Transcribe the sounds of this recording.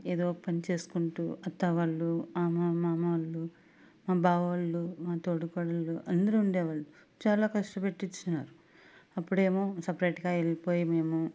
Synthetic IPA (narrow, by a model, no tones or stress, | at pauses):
eːd̪o̞ːpɐnit͡ʃe̞ːsu̥kuɳʈṵːɐt̪ːɐʋaːɭːuaːmɐmaːmɐʋɐlːu | maːbaːʋɐʋɐlːumaːt̪oːɽukɔːɽɐlːuʔɐnd̪ɐɾuuɳɖɛːʋaːɭːu | t͡ʃaːlaːkɐʂʈɐpe̞ʈːit͡ʃːunːa̰ːɾu | ɐpːuɽe̞ːmo̞ːsɐpɾɐjʈɡaːelipo̞ːjime̞ːmu